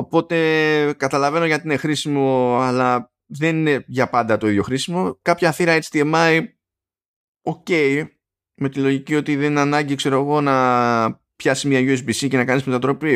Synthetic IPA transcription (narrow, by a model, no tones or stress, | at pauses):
o̞po̞t̪e̞kɐt̪ɐlɐve̞no̞ʝɐt̪iine̞xɾisimo̞ɐlɐ | ðe̞nine̞ʝɐpɐnd̪ɐt̪o̞iðʝo̞xɾisimo̞kɐpçɐθiɾɐet͡st̪iemɐj | o̞ce̞j | me̞t̪ilo̞ʝicio̞t̪iðeninɐnɐɲɟikse̞ɾo̞ɣo̞nɐ | pçɐsizmiɐjuesbisice̞nɐkɐnizme̞t̪ɐt̪ɾo̞pi